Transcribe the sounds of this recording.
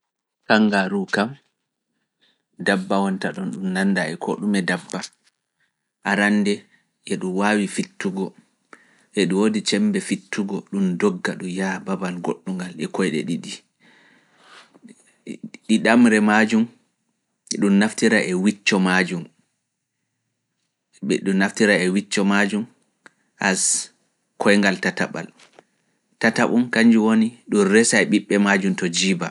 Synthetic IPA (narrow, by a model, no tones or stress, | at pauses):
kaŋɡaɾukam | dabːawɔntaɗɔnɗumnandaɛkʰɔ̰ɗumɛdabːa | ʔaɾanːdɛ | ʔɛɗumwawifitːuɡɔ | ʔɛɗiwodit͡ʃɛmbɛfitːuɡɔɗumdɔɡːaɗujababanɡoɗːuŋɡalɛkɔjɗɛ̰ɗiɗi | ɗiɗamɾɛmad͡ʒum | ɗumːaftiɾaʔɛwit͡ʃːɔmad͡ʒum | ɗunnːaftiɾaɛwit͡ʃːɔmad͡ʒum | ʔas | kʰɔjŋɡaltataɓa̰l | tataɓumkaɲd͡ʒiwoniɗunɾɛsajɓiɓːɛmad͡ʒumtɔd͡ʒiːba